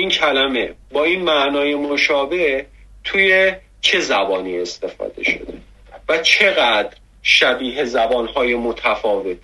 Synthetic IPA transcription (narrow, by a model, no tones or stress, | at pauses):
incʰælæme̞bɒːiːnmæʔnɒːje̞moʃɒːbe̞ʔ | t̪ʰuːje̞ | t͡ʃʰe̞zæbɒːniːe̞st̪e̞fɒ̰ːd̪e̞̰ʃo̰d̪e | væt͡ʃʰe̞ɣæd̪̥ɾ | ʃæbiːɦezæbɒːnhɒːjemot̪ʰæfɒːve̞t̪̚ʰ